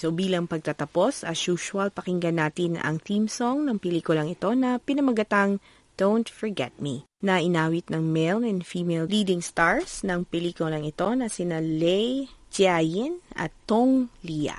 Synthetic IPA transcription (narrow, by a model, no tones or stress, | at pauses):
sobiːlɐŋpɐɡ̚t̪at̪ɐpo̞sɐʃuːʃʊwɐlpɐkɪŋɡɐnaːt̪ɪnɐ̰ŋt̪imsoŋnɐŋpɛliːkʊlɐŋɪt̪o̞nɐpɪnɐmɐɡɐt̪aŋ | d̪̥ownt̪fɔɹɡɛt̪̚mi | nɐʔɪnaːwɪt̪̚nɐŋmelnɛnfiːmelliːd̪ɪŋst̪aɹsnɐŋpɛliːkʊlɐŋɪt̪o̞nɐsɪnalɛjd͡ʒajɪnɐ̰t̪ːoŋliɐ̰